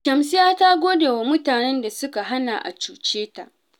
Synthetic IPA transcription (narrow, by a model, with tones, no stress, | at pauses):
kʲɐ˨msɪ˦jaː˦ta˦ɡʷoː˦deː˨wa˨mʊ˦taː˨nɛ˦nda˨sʊ˦ka˨ɦa˦na˨ʔa̰˨t͡ʃuː˨t͡ʃeː˦ta̰˨ʔ